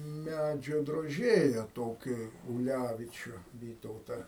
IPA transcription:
ˈmʲæd͡ʒʲoː droːˈʒʲeːjɛ ˈtoːkʲiː ʊˈlʲæʋʲɪt͡ʃʲʊ ˈʋʲiːtɐʊtɐ

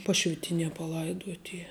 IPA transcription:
ˈpɑːʃʲʋʲɪtʲɪnʲiɛ pɐˈlˠɐɪduɔtʲ ˈiː

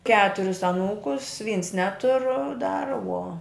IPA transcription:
ˈkʲæːtʊrʲɪs ɐˈnuːkʊs ʋʲiːns ˈnʲæːtʊr dɐr uɔ

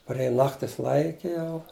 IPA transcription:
pɐrʲˈeːjɛ ˈnɑːktʲɪs ˈlˠɐɪkʲɛ ˈjɛʊ

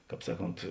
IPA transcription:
ˈkɑːp ˈsɑːˌkoːnt

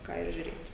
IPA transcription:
ˈkɑː ɪr ʒʲʊˈrʲeːtʲ

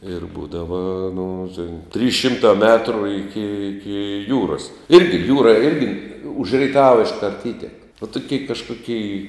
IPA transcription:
ɪr ˈbuːdɐʋɐ nʊ tʲeːn tʲrʲiːs ˈʃʲɪmtɑː ˈmʲæːtrʊ ˈɪkʲɪ ˈɪkʲɪ ˈjuːrɐs ˈɪrʲɡʲɪ ˈjuːrɐ ˈɪrʲɡʲɪ ʊʃ rʲɛɪˈtɑːʋɐ ɪʃˈkɐrt ˈiːtʲɛk ʋoː toːˈkʲeːɪ kɐʃkʊˈkʲeːɪ

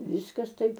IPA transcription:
ˈʋʲɪskɐs ˈtɐɪp

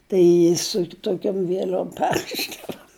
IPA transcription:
ˈtɐɪ sʊ toːˈkʲoːm ʋʲiɛˈlʲoːm ˈpʲɛrʲrʲɪʒdɐʋoː

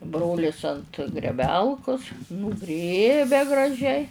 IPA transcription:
ˈbroːlʲɪs ɐnt ɡrʲɛˈbʲɛlˠkʊs nuːˈɡrʲeːbʲɛ ɡrɐˈʒʲɛɪ

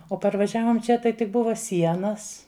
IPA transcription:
oː pɐrʋɐˈʒʲæːʋoːm ˈt͡ʃʲɛ tɐɪ tʲɪk ˈbʊʋɐ ˈsʲiɛnɐs

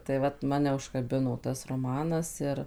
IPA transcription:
tɐɪ ˈʋɐt ˈmɑːnʲɛ ʊʃkɐˈbʲɪnoː ˈtɐs roːˈmɑːnɐs ˈɪr

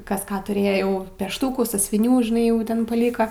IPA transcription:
ˈkɐs ˈkɑː ˈtʊrʲeːjoː jɛʊ ˈpʲæːʃtuːkuː sɑːsʲʊʋʲɪˈnʲuː ʒʲɪˈnɐɪ jɛʊ ˈtʲɛn pɐˈlʲiːkɐ

